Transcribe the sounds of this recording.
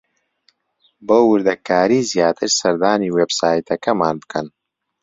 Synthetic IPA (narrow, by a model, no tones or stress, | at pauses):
bowːɨɾd̪ɐkaːɾiːzjaːt̪ʰɨɾsɐɾd̪aːniːweːbsaːjt̪ɐkɐmaːnbɨkʰɐn